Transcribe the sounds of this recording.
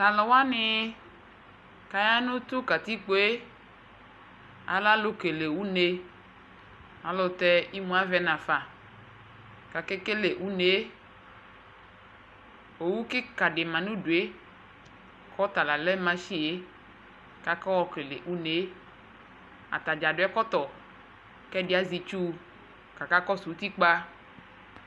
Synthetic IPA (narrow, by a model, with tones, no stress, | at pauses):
ta˨lɔ˨wa˦nɪ˦ | ka˨ja˦nʊ̃˦t̪ʊ˦ka˨t̪i˦k͡po˦e˦ | a̰˨la˦lo˦ke˨le˨wu˦ne˨ | a˨lɔ˨t̪ɛ˦ʔi˦mũ˨˦a˦vɛ˦nã˨fa˨ | ka˨ke˦ke˦le˨ʔu˦ne˨e˦ | wo˨wu˦ke˦ka˨ɖe˨mã˨nũ˦ɖo˨e˦ | kɔ˦t̪a˨la˨lɛ˦mã˦ʃi˦e˦ | ka˦kɔ˦wɔ˦ke˨lḛ˨ʔu˦ne˨˦ | a̰˨t̪a˨d͡ʒa˨ɖo˦ɛ˦kɔ˦t̪ɔ˨ | kɛ˦de˦a˦zi˨t͡ʃu˦˨ | ka˨ka˦kɔ˦su˨u˦t̪i˦k͡pa˦